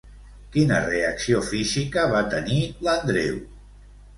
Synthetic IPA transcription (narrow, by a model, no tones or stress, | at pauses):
kinəreəksiofizikəβat̪ənilənd̪ɾḛw